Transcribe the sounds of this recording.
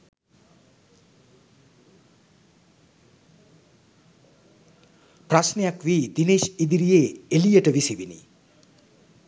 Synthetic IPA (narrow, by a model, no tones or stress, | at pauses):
prasnejakʋid̪ineːʃid̪iɾijeːelijəʈəʋisiʋinḭ